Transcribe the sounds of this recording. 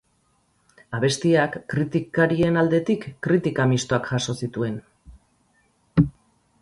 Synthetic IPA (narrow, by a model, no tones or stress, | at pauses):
aβe̞st̪iakːɾit̪ikaɾie̞nald̪e̞t̪ikːɾit̪ikamist̪o̞akʝaso̞sit̪ue̞n